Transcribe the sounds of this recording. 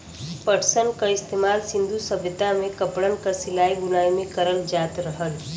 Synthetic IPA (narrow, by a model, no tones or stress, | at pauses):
pəʈʰsənkaɪst̪eːmaːlsɪ̃nd̪ʱusɐbʱɪt̪amẽkɐpɽənkasɪlaːiɡʊnaːimẽkəɾəld͡ʒaːt̪ɾəɦəl